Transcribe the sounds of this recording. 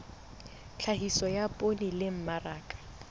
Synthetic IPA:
t͡ɬʰaɦisɔjapʼonilɪm̩maraːkʼḁ

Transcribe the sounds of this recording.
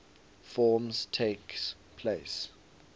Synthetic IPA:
fɔːmztʰeks | pʰleɪs

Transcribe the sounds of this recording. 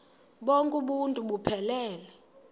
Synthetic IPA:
ɓɔŋkʼuɓuntʼuɓupʰɛlɛːlɛ

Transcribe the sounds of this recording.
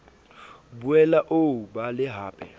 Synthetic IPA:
buɛlaʔobalɪɦaːpʼɛ

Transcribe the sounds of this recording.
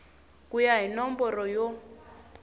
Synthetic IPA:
kʼujaɦinɔmbɔrɔjɔ

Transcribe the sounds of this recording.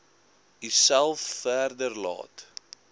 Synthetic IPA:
isælˠfːæːrdərlɑ̰ːt

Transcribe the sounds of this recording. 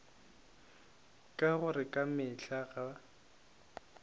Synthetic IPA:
kʼaɣʊrɪkʼamɪɬaɣa

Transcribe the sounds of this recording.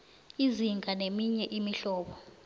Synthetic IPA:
iziŋɡʱanemiɲɛʔimiɬɔːɓɔ

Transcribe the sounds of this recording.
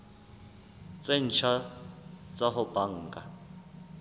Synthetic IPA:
t͡sʼen̩t͡ʃʰa | t͡sʼaɦʊb̥aŋ̩ːka

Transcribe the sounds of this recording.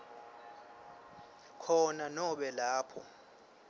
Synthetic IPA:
kʰɔnanɔɓɛlaːpʰɔ̰

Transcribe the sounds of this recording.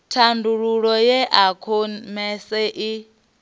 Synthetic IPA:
tʰanduɺuɺɔjɛʔakʰɔmɛsɛʔi

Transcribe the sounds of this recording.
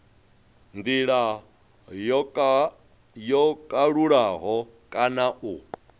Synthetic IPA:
nd̪iɺa | jɔkʼaɺuɺaɦɔ | kʼanaʔu

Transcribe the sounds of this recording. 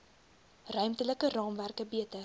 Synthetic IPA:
rœɥmtələkərɑːmværkəbiətə

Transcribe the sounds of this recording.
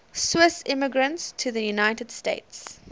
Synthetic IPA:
swɪsɪ̃məɡɹə̃ntstʰəðəjunaɪtəd̥stḛɪts

